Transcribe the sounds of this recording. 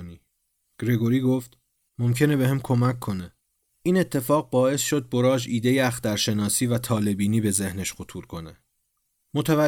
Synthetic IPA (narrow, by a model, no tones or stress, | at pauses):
niː | ɡ̥ɾe̞ɡo̞ɾiːɡoft̪ | momcʰe̞nebeɦemkʰo̞mækʰːo̞ne | ʔiːne̞t̪ʰːe̞fɒːɣ̚bɒːe̞sʃo̞d̪̚bo̞ɾɒːd͡ʒiːd̪e̞jeæxd̪æɾʃe̞nɒːsiːvæt̪ʰɒːle̞biːniːbe̞ze̞hneʃqot̪ʰuːɾkʰo̞ne | mot̪ʰævæ